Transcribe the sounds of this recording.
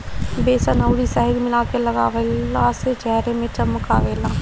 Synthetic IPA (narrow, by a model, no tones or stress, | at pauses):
beːsɐnəʊɽisɛɦəɡmɪlaːkelɐɡa̰ːʋeaːset͡ʃɛɦɾemẽt͡ʃɐmkaːʋeːlaː